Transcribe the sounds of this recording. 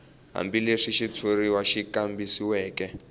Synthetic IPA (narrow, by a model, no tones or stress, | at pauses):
ɦa̰mbileʂiʃitʰoriwaʃikambisiwɛːkɛ